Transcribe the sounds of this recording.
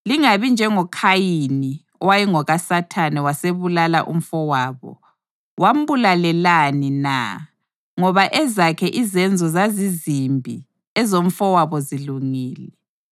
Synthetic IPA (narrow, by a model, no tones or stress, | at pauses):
liŋaβind͡ʒʱɛŋɔkʰajini | ɔwajiŋɔɣasatʰanɛwaseβulala̰ʔṵm̩fɔwaːβɔ̰ | wʔam̩βulalɛlanina̰ | ŋɔβaʔɛzakʰɛʔizɛnd͡zʱɔzazizimbʱḭ | ɛzom̩fɔwaβɔziluŋiːlɛ